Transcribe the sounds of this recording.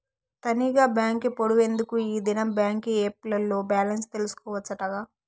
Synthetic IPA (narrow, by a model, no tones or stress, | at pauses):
t̪ɐniɡaːbjaːŋkipoɽuʋe̞nd̪ukuiːd̪inɐmbjaːŋkieːp̚lɐlːo̞ːbjaːlɐnst̪e̞lusu̥kɔːʋɐt͡ʃːɐʈɐɡaː